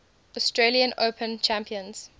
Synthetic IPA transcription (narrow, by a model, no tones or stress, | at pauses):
ɔstɹeliə̃nʔo̰ʊpʰə̃nt͡ʃʰæ̃mpʰiə̃nz̥